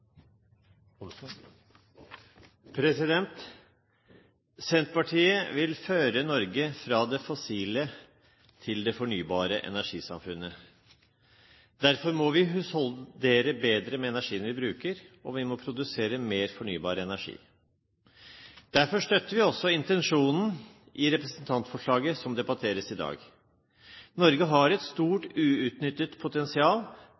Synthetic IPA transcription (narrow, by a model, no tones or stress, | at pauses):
pʰɾɛsɪd̪ɛnt̪ | sɛnt̪pɑʈʰiːəʋɪlføːɾənɔɾɡəfɾɑd̪ɛfɔsiːlə | t̪ʰɪld̪ɛfɔɳyːbɑːɾəʔɛ̰næʂiːsɑ̰mfʉnːə | d̪̥æɾfɔɾmɔʋɪɦʉshɔld̪eːɾəbeːd̪ɾəmɛɛnæʂiːənʋɪbɾʉːkəɾɔʋɪmɔpʰɾʊd̪ʉseːɾəmeːɾfɔɳyːbɑːɾəɛnæʂḭː | d̪̥æɾfɔʂt̪œt̪ːəɾʋɪɔsːɔɪnt̪ɛnʂuːnn̩ | ʔɪɾɛpɾɛsnt̪ʰɑnt̪fɔʂɭɑːɡəsɔmd̪ɛbɑʈ̪ʰeːɾəsɪd̪ɑ̰ːɡ | nɔɾɡəɦɑɾɛt̪st̪uːʈʉːʉt̪nʏt̪ːət̪pʰʊt̪ɛnsɪɑːl